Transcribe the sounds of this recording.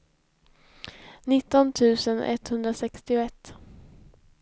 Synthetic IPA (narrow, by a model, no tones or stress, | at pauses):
nɪt̪ːɔnt̪ʰʉ̟ːsənɛ̰t̪hɵnd̪ɾasɛkst̪ɪʊɛt̪ː